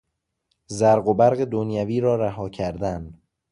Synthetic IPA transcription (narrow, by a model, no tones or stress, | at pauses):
zæɾɢobæɾɣed̪onjæviːɾɒːɾæɦɒːcʰæɾd̪æn